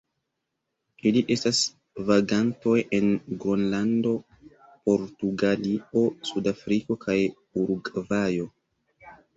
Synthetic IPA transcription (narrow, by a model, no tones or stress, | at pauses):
iliʔe̞stas | vaɡanto̞je̞nɡɾonlando̞ | po̞ɾtuɡalio̞sudafɾikokʰaj | uɾɡvajo̞